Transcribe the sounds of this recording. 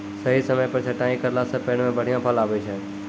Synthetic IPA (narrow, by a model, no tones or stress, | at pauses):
səɦisəməjpəɾt͡ʃʰeʈãːĩkəɾlaːsəpeɳ̃mẽːbʱəɽ̤ijãːpʰaːlaːʋet͡ʃʰeː